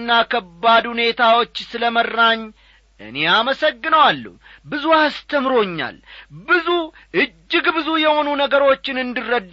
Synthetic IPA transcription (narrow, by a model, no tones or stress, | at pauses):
nːakʰəbːad̪hune̞t̪ʰawo̞t͡ʃːsɨləmərːaɲː | ʔɨ̰ne̞aməsəɡːɨnəwalːə̰h | bɨzuast̪ʰəmɾo̞ɲːa̰lbɨzu | ʔɨd͡ʒːɨɡbɨzujɛho̞nunəɡəɾo̞t͡ʃːɪnɨnd̪ɨrːəd̪ː